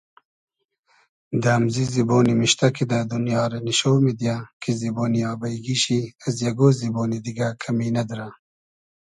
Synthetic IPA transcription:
d̪aːmziziboːnimiʃt̪akʰid̪ad̪unjɑːɾaniʃowmed̪jakʰiziboːnijaːbɐjɡiɕiɐzjaɡoziboːnid̪iɡakʰɐminɐd̪ɾa

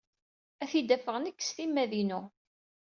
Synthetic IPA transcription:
æθid̪æfəʁnəkːsθimːæðinu

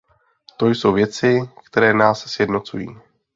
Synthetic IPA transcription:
t̪o̞jso̞wvjɛt͡sɪk̚t̪ɛɾɛːnaːssjɛdno̞t͡sujḭː

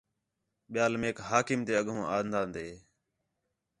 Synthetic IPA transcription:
ɓɪjaːlmeːkɦaːkɪmt̪eːəɠʱõːʔaːnd̪ãːnd̪eː

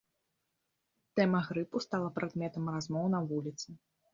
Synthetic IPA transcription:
t̪ɛmɐɣɾɨpust̪alˠɐpɾad̪mʲɛt̪ɐmrazmɔwnɐvulʲit̪sɨ

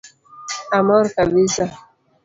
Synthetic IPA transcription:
amɔɾkabisa

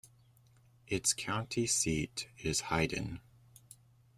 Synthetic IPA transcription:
ʔɨtskʰãʊ̃ntʰisiɾɪz̥haɪdⁿn̩

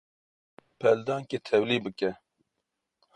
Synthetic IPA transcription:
pʰɛld̪ɑːŋket̪ʰɛwliːbɨkɛ

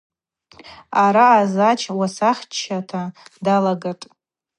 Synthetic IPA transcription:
aɾaːzat͡ʃʰʼwasaχʲt͡ʃʰːatʰadalaɡatʼ

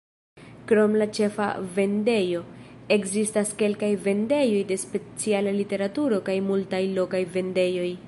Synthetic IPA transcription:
kɾo̞mlat͡ʃe̞fa̰ve̞nde̞jo̞ | e̞kzistaske̞lkajve̞nde̞jo̞jde̞spe̞t͡sialalite̞ɾatuɾo̞kajmultajlo̞kajve̞nde̞jo̞j

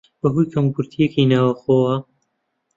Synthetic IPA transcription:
b̥ɐɦujkʰɐmkuɾt̪ʰijekinaːwɐxoːwɐ

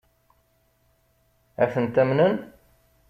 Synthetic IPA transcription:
æθənt̪æmnən

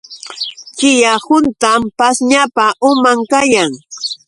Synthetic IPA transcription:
t͡ʃɪjahʊnt̪ampasɲapaʔʊmaŋkajaŋ

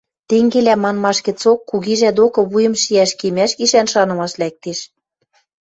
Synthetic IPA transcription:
t̪eŋɡelæmɑnmɑʃkɘ̆t͡sokːuɣiʒæd̪okɤ̆βujɤ̆mʃiæʃkemæʃkiʃænʃɑnɤ̆mɑʃlæk̚t̪eʃ

